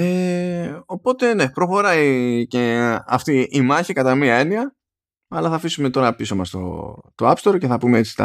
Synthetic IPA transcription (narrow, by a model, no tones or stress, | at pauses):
e̞ | o̞po̞t̪e̞ne̞pɾo̞xo̞ɾɐice̞ɐft̪iimɐçikɐt̪ɐmiɐe̞niɐ | ɐlɐθɐːfisume̞t̪o̞ɾɐɐpisomɐst̪o̞̰t̪o̞ɐpst̪o̞ɾce̞θɐpumeet͡si̥t̪ɐ̰